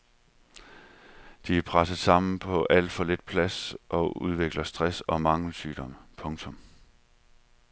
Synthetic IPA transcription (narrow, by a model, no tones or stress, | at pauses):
d̥iæɐpʰʁasəð̩ˠsɑ̈m̰n̩pʰɒ̽ʔæl̰d̥fɒ̽le̝d̥̚pʰlæsʔɒ̽uð̞ˠʋe̝ɡ̥lɐsd̥ʁasɒ̽mɑ̈ŋl̩syːd̥ɒ̽m̰əpʰɔ̽ŋt͡sʰɔ̽m